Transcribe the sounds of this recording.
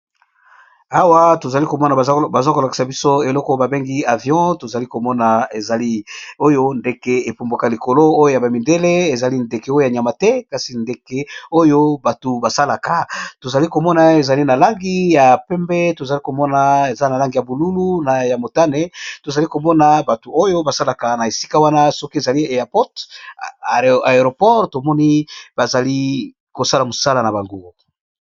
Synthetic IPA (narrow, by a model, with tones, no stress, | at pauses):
a˦wa˦to˨za˨li˦ko˨mɔ˦na˨˦ba˨za˦ko˨la˨ki̥˨sa˨bi˦so˦e˨lɔ˦kɔ˦ba˨be˦ŋɡi˦a˨vjɔ̃˦to˨za˨li˦ko˨mɔ˦na˨e˨za˨li˦o˦jo˦nde˨ke˨e˨po˨mba˨ka˨li˨ko˨lo˦o˦jo˦ja˨ba˨mi˨nde˦le˦e˨za˨li˦nde˨ke˨o˦jo˦ja˨ɲa˨ma˨tɛ˦ka˨si˨nde˨ke˨o˦jo˦ba˨to˨ba˨sa˦la˨ka˨to˨za˨li˦ko˨mɔ˦na˨e˨za˨li˦na˨la˦ŋɡi˦ja˨pɛ˦mbɛ˦to˨za˨li˦ko˨mɔ˦na˨e˨za˦na˨la˦ŋɡi˨ja˨bu˨lu˦lu˦na˨ja˨mo˨ta˦ne˦to˨za˨li˦ko˨mɔ˦na˨ba˨to˨o˦jo˦ba˨sa˦la˨ka˨na˨e˨si̥˦ka˦wa˦na˦sɔ˦ki˦e˨za˨li˦˨e˨a˨pɔ˦t | a˨e˨ʁo˨pɔ˦ʁto˨mɔ˦ni˦ba˨za˨li˦ | ko˨sa˦la˨mo˨sa˦la˨na˨ba˨ŋɡo˦